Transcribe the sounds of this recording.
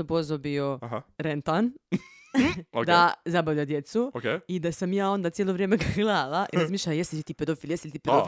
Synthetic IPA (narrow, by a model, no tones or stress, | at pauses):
obozobioɦaɾent̪an | okd̪azabaʋʎad̪jet̪suokeid̪asamjaːo̞nd̪at̪ʲjeloʋɾjeːmeɡaɡlˠaːlaʔiɾazmiːʃlajesiit̪iːped̪ofiːljesit̪iːpeof